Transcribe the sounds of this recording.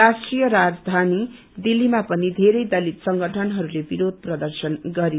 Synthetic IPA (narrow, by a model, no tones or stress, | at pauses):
asʈrijʌɾad͡zd̪ʱani | d̪ilːimapʌnid̪ʱeɾʌjd̪ʌlit̪sʌŋɡʌʈʰʌnɦʌɾulebiɾod̪̚ʱprʌd̪ʌrsʌnɡʌɾi